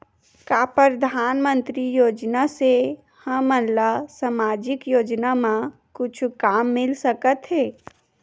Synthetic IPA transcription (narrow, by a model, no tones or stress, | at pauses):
kapəɾd̪ʱaːnmə̃nt̪ɾijoːd͡ʒnase | həmənlasamad͡ʒɪkjoːd͡ʒnamã | kʊt͡ʃʰkamːɪlsəkət̪ɦɛː